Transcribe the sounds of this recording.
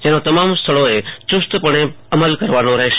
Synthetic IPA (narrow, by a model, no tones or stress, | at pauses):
d͡ʒeːnot̪ɐmaːmst̪ʰəɭoet͡ʃʊst̪pəɽ̃eɐməlkəɾʋaːnõɾəɦʃ